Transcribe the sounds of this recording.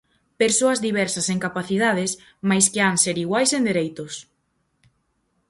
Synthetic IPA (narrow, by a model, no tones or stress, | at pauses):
peɾsoɐzðiβ̞ɛɾsɐseŋkapaθiðað̞es | majskɪaŋseɾiɣwajsend̪eɾejt̪ʊs